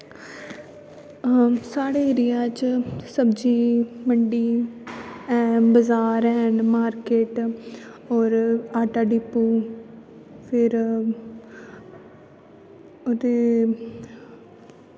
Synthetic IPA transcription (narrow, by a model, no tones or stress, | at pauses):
saːɽeːɪɾɪjaːt͡ʃsəbd͡ʒiːməɳɖiː | ɛ̃ːbəzaːɾɦɛːnmaːɾkeːʈ | ɔːɾaːʈaːɖiːpːuː | pʰɪɾ | ot̪eː